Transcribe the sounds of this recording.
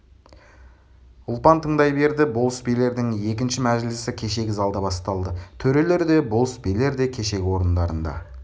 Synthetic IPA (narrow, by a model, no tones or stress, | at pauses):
ʊlˠpɑnt̪ʰəɴd̪ɑjbe̞ɾd̪ɪbo̞lˠspele̞ɾd̪ɪŋe̞kʲɪnʃɪmæʒlɪsɪkʲʰe̞ʃe̞ɡʲɪzɑlˠd̪ɑbɑst̪ɑlˠd̪ət̪ʰɵɾe̞le̞ɾd̪e̞bo̞lˠspejle̞ɾd̪e̞kʲʰe̞ʃe̞kʲɪwo̞ɾənd̪ɑɾənd̪ɑ̰